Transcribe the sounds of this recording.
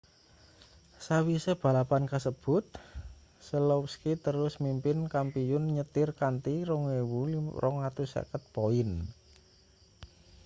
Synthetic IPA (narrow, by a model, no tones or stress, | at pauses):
sawisəb̥a̤lapankasəb̥ʊ̤t̪̚ | səlopskit̪əɾʊsmimpɪnkampiʊnɲət̪ɪrkant̪iɾɔŋwewurɔŋat̪usa̰kət̪̚poɪn